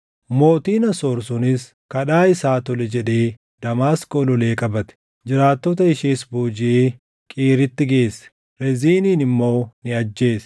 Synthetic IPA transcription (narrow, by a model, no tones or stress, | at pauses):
mo̞ːt̪iːnɐsɔɾsʊnɪs | kɐᶑaːɪsaːt̪ɔlɛd͡ʒɛᶑe̞ː | d̪̥ɐmaːskoːlɔleːkʼɐbɐt̪ɛ̥ | d͡ʒɪɾaːt̪ːɔt̪ɐɪʃiːsbuːd͡ʒɪeː | kʼiːɾɪt̪ːɪɡe̞ːsːɛ̥ | ɾɛziːniːnɪmːo̞ːnɪɐd͡ʒːe̞ːs